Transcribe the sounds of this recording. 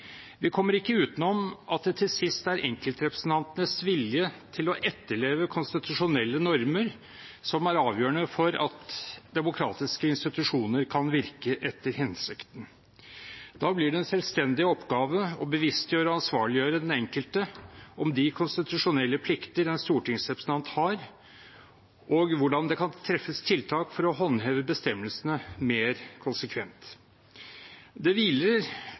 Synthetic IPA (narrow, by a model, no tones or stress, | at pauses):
ʋɪkʰɔmːəɾɪkːəʉːt̪ənɔmʔɑt̪̚d̪ɛt̪ʰɪlsɪst̪æɾʔɛŋkəlt̪ɾɛpɾəsn̩t̪ʰɑnt̪ənəsʋɪljət̪ʰɪlɔʔɛt̪ːəɭeːʋəkʰʊnst̪ɪt̪ʉʂʊnɛlːənɔɾməɾ | sɔmæɾɑːʋjøːəɳəfɔɾɑ̰t̪d̪ɛmʊkʰɾɑ̰ːt̪ɪskəɪnst̪ɪt̪ʉʂuːnəɾkʰɑnʋɪɾkəʔɛt̪ːəɾɦɪnsɪkt̪n̩ | d̪̥ɑːblɪɖɛɛnsɛlst̪ɛnd̪ɪɔpːɡɑːʋəɔbəʋɪst̪jøːɾəɑnsʋɑːɭɪjøːɾəd̪ɛnɛŋkəlt̪əɔmd̪ɪkʰʊnst̪ɪt̪ʉʂʊnɛlːəpʰlɪkt̪əɾɛnst̪uːʈɪŋsɾɛpɾsənɑnt̪hɑɾ | ɔɡʋʊɖɑnd̪ɛkʰɑnt̪ʰɾɛfːəst̪ʰɪlt̪ʰɑːkfɔɾɔɦɔnheːʋəbəst̪ɛmːəlsənəmeːɾkʰʊnsəkʰʋɛnt̪ | d̪ɛʋiːləɾ